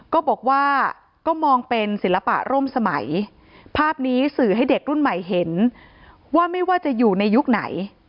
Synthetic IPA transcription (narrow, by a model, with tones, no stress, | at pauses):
kɔː˥˩bɔː˨˩k̚waː˥˩ | kɔː˥˩mɔː˧ŋpe˧nsi˨˩˦nla˧pa̰˨˩ʔɾoː˥˩msa˧ma̰˩˦j | pʰaː˥˩p̚niː˦˥sɯː˨˩ɦa˥˩jde˨˩k̚ɾu˥˩nma˨˩jɦe˩˦n | waː˥˩ma˥˩jwaː˥˩t͡ɕa˨˩juː˨˩na˧jːu˦˥k̚na̰˩˦j